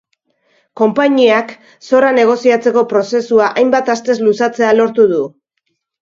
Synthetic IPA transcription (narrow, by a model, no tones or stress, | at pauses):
ko̞mpaɲiak | so̞rane̞ɣ̞o̞siat͡se̞ko̞pɾo̞se̞suaʔajmbat̪ast̪e̞zlusat͡se̞alo̞ɾt̪uðu